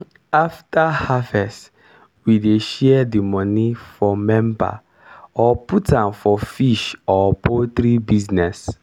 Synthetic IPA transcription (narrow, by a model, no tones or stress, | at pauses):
aftahavɛs | wideʃɛɛdimɔnifɔmɛ̃mba̰ | ɔputãnfɔfiʃɔpʰot̪ɾibiznɛs